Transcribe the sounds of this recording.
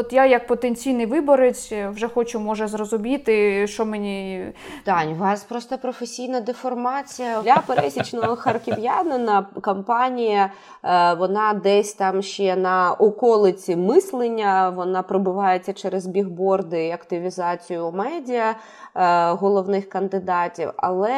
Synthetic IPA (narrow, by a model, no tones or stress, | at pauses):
ɔt̪jajɐk̚pɔt̪enʲt͡sʲijnɪjʋɪbɔɾet͡sʲʋʒɛxɔt͡ʃʊmɔʒɛzrɔzʊmʲit̪ɪʃɔmenʲit̪ɑnʲʋɑspɾɔst̪ɐpɾɔfesʲijnɐd̪efɔrmɑt͡sʲijɐlʲɐpeɾɛsʲit͡ʃnɔɦɔxɐrkʲɪʋjanɐnɐkɔmpɑnʲijɐ | ʋɔnɑd̪ɛsʲt̪ɑmʃt͡ʃɛnɐʔɔkɔlˠɪt͡sʲimɪslˠenʲːɐʋɔnɑpɾɔbʊʋɑjet͡sʲːɐt͡ʃɛɾezbʲiɦbɔrd̪ɪiɐkt̪ɪʋʲizɑt͡sʲijʊmɛdʲijɐ | ɦɔlˠɔʋnɪxkɐnd̪ɪd̪ɑtʲḭwɐ̰lˠɛ